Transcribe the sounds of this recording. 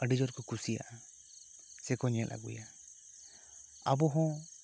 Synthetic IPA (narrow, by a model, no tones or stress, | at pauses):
əɖid͡ʒɔɾkɔkusija̰ʔa | sɛkɔɲɛla̰ɡṵja | abɔɦɔ̃